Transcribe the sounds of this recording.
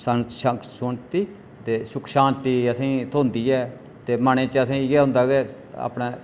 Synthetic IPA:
səʃəsʊɳt̪iː | t̪eːsʊkʰʃãːnt̪iːəsĩːt̪ʰõːnd̪iːɛː | t̪eːməɳẽːt͡ʃəsĩːɡɛːɦʊ̃ːnd̪aːɡeː | a̰ːpɳaː

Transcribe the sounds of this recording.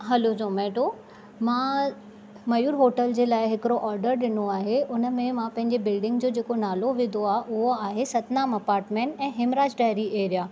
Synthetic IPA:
ɦɐlod͡ʑõːmɛːʈo | mã | mɐjuːɾɦoːʈəld͡ʑeːlaːɪɦɪkɪɾoʔɔːɾɖəɾɗɪnoaːɦeʔʊnə̆mẽmãpɐ̃ɦɪ̃ɲd͡ʑebɪlɖɪ̃ŋɡd͡ʑoːd͡ʑeːkonaːloʋẽːd̪oaːɦʔʊɦoaːɦesɐt̪naːmɐpaːɾʈmẽːɳʈɛ̃ːɦɪmɾaːd͡ʑɖaːɪɾiʔeːɾijaː

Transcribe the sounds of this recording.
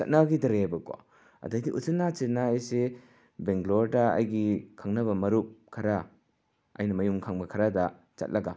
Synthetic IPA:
t͡ʃa̰t̚nabɡidɐɾebɐko̰ | ɐ̰dajdiʔusɯnːat͡ʃiɾnaːjse | beŋɡloɾdaa̰jɡikʰaŋnɐβɐmɐɾup̚kʰɐɾa | ɐ̰jnɐmɐjumkʰaŋbɐkʰɐɾadɐ | t͡ʃɐ̰t̚lʔɐɡa

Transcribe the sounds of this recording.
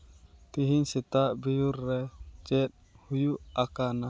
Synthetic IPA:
t̪iɦinsɛt̪aʔbijurːɛd͡ʒɛt̪̚hujuakana

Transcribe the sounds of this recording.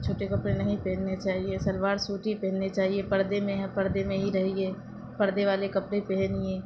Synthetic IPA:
t͡ʃʰoːʈekɐpɽẽnɐɦĩpɛːnːet͡ʃaːɦiesɐlʋaːɾsuːʈɦipɛ̃ːnːet͡ʃaːɦiepɐɾd̪emẽɦɛ̃pɐɾd̪emẽɦiɾɐɦieː | pɐɾd̪eʋaːlekɐpɽepɛːniɛ̃ː

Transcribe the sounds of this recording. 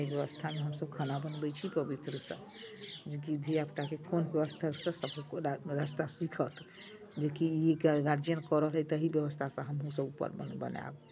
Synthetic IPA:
ibjəʋəst̪ʰameɦəmsəbkʰənabənbət͡ʃʰipəbit̪ɾəsə̰̃ | d͡ʒeɡid̪ʱiapt̪akekonbjəʋəst̪ʰasə̃səbkɾəst̪asikʰət̪ʰ | d͡ʒekiiɡɡaɾd͡ʒijənkəɾəɦəlɦɛt̪əɦibjəβəst̪ʰasə̃ɦəmɦũsəbupːə̰ɾəbə̰na̰b

